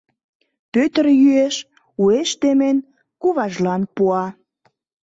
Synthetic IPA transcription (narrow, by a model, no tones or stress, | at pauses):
pøt̪ə̆rjyeʃ | ueʃt̪emen | kuβɑʒlɑnpuɑ